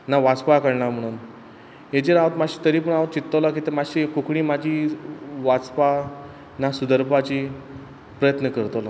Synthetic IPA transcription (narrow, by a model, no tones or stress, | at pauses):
naʋat͡spakəɽɳam̤əɽ̃uːn | ed͡ʑeɾaʋət̪maɕi̥ːt̪əɾiːp̬əɳaʋət̪̚t͡ɕit̪ːəlak̬it̪emaɕikukɽiːmad͡ʑʱiːʋat͡spa | nasud̪əɾbʱat͡ɕi | pɾəjət̪nəkəɾt̪ola